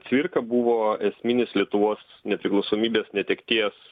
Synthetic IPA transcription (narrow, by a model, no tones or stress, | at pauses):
t̪ʲʋʲɪɾkɐbuʋoːɛsʲmʲɪnʲɪslʲiɛt̪ʊʋoːs | nʲɛpʲɾʲɪklˠɒʊsoːmʲiːbʲeːsnʲɛt̪ʲɛkt̪ʲiɛs